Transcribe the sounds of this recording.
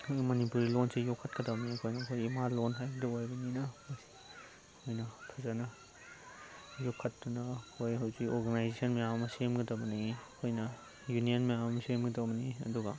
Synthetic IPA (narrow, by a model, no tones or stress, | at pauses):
mɐnipuɾilonsejɔkʰːɐt̚kɐdɐwmniɐkʰojnɐkʰojimalonɦajbdɐwajbɐninɐmɐsi̥ | kʰojnɐpʰɐzanɐ | jɔkʰːɐt̚dunɐkʰojɦawzikɔɾɡanajzesɐnmejamɐsemɡɐdɐwbɐniɐkʰojnɐ | junijɐnmejaɐmɐsemɡɐdɐwbɐniɐ̰duɡɐ